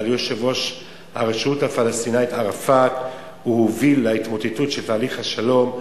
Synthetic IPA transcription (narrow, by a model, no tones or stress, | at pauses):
ljoʃevo̞ʃ | ha̰ʁeʃuthafalast̪inait̪aʁafak | huhovilːait̪mo̞tetutʃeltaːliχhaʃalo̞m